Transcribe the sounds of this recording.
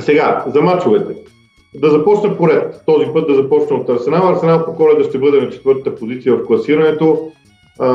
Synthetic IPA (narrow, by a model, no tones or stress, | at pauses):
sɛɡazɐmat͡ʃovɛt̪ɛ | d̪ɐzɐpɔt͡ʃnəpoɾɛt̪ːɔzipɤt̪d̪ɐzɐpɔt͡ʃnɐot̪ɐɾsɛnalˠɐɾsɛnalˠpokɔlɛd̪ɐʃt̪ɛbɤd̪ɛnɐt͡ʃɛ̥t̪vɤɾt̪ət̪əpozit̪siəvɐfklˠɐsiɾɐnɛt̪o